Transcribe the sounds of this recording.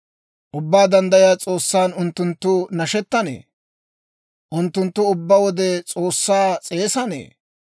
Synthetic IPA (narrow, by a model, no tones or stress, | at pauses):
ʔʊbːaːd̪ɐnd̪ɐjɪjaːt͡sʼo̞ːsːaːnʊnt̪ːʊnt̪ːʊnɐʃɛt̪ːɐnḛː | ʔʊnt̪ːʊnt̪ːʊʊbːawɔd̪ɛt͡sʼo̞ːsːaːt͡sʼe̞ːsɐnḛː